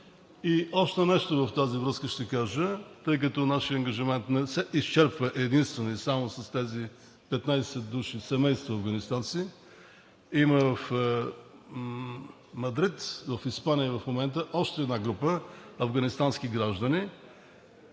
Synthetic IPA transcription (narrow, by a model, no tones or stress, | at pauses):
iɔʃt̪ɛnɛʃt̪ovɐft̪azivɾɤskəʃt̪ɛkaʒət̪ɤjk̬ət̪ɔnaʃiəɐŋɡəʒimɛnt̪nɛsɛʔist͡ʃɛɾpvəʔɛd̪inst̪vɛnoisamosɐst̪ɛzi | pɛt̪najsɛt̪̚d̪uʃisɛmɛjst̪voɐvɡɐnist̪ansi | iməvɐf | mɐd̪ɾit̪vɐfispanijəivɐfmomɛnt̪əʔɔʃt̪ɛɛːd̪naɡɾupəɐvɡɐnist̪anskiɡɾaʒd̪əni